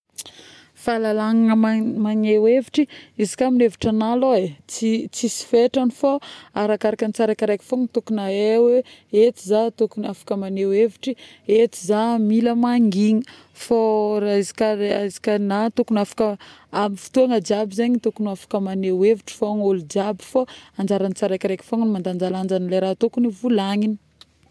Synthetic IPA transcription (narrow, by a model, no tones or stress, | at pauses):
falalaŋaŋəmmaneweviʈ͡ʂiizi̥kʲamineviʈ͡ʂanaloet͡sit͡sisi̥feʈ͡ʂanifoaɾakaɾakənit͡saɾakəɾajkə̥foŋit̪ukunaeweet͡s̪izat̪ukunafḁkəmaneweviʈ͡ʂi | et͡s̪izamiləmaŋɡiŋə | fazikaazi̥kʲənat̪ukunafḁkəamifi̥t̪uaŋəd͡ʒabizaɲit̪okunafḁkəmaneweviʈ͡ʂi̥foŋolud͡ʒabu̥faand͡ʒaɾanit͡saɾajkiɾejkʲi̥foŋnimand̪and͡ʒaland͡ʒanileɾat̪okunivulaŋini̥